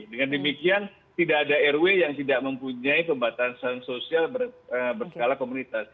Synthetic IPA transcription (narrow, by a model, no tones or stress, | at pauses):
dəŋandəmikian | t̪idaʔːdaɛrwejaŋt̪idaʔ̚məmpuɲaipəmbat̪ansansosialbəəbərsə̥kalakomunit̪as